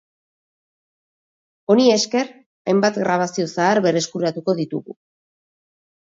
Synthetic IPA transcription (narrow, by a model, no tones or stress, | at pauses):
o̞nie̞ske̞ɾ | ajmbat̪ɡɾaβ̞asio̞saːɾβe̞ɾe̞skuɾat̪uko̞ðit̪uɣṵ